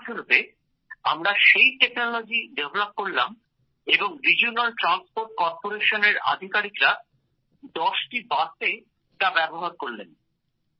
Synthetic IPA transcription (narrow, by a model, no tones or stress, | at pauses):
ʃʰoɾop̪e | a̰mɾaʃejʈeknolod͡ʑiɖevlop̚koɾlam | eboŋɾid͡ʑiunalʈɾanspoɾʈ̚kɔɾpoɾeʃoneɾa̰d̪ʱikaɾikɾa | d̪ɔʃʈibat̪e | ʈabɛboɦaɾkoɾlḛn